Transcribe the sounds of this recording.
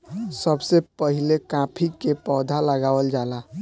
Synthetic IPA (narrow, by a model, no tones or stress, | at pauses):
səbsepəɦilekãpʰikepɔd̪ʱaləɡawəld͡ʒala